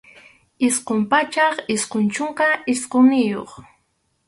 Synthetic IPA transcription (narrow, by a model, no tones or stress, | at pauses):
ɪsqompat͡ʃɑχɪsqont͡ʃoɴqɑɪsqonɪjo̰χ